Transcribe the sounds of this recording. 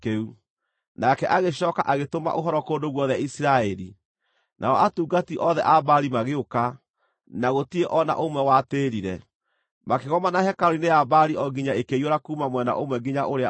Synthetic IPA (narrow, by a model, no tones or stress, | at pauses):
keu | nakɛʔaɣeɕɔːka̰ʔaɣetoma̰ʔoɦɔɾɔkoːndoɣwɔðɛaisiɾaɛɾi | nʔa̰ɔʔatuːɡatiʔɔðɛ̰ʔabaɾimaɣeoka | naɣotieʔɔna̰ʔomwɛwateːɾiɾɛ | makeɣɔmanahɛkaɾineabaɾiɔɡiɲaekejoɾakuːmamwɛna̰ʔomwɛɡiɲaʔoɾe